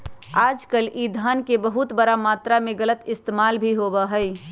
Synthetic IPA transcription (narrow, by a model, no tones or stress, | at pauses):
aːd͡ʒkəlʔid̪ʱaːnkebəɦʊt̪bəɾamaːt̪ɾamẽɡələt̪ɪst̪eːmaːlbʱiɦoːbəɦəɪ